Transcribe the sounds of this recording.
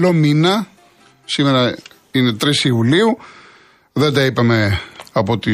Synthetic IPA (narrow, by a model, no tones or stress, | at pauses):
lominɐ | simeɾɐ | ine̞t̪ɾisiɱvuliu | ðed̪ɐipɐme̞ɐpo̞t̪i